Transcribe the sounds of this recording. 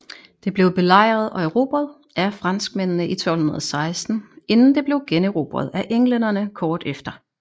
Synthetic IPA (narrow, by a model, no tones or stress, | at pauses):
d̥e̝b̥le̝ʊb̥e̝lɑ̈ɪ̰ʁɐð̞ˠɒ̽eʁo̝̰ːb̥ɐðˠ | ʔæfʁɑ̈n̰sɡ̥mennəʔit͡sʰɒ̽lhunɐðˠsɑ̈ɪsd̥n̩e̝nn̩d̥e̝b̥le̝ʊɡ̥enøʁo̝̰ːb̥ɐð̞̩ˠæʔeŋlenɐnəkʰɒːd̥efd̥ɐ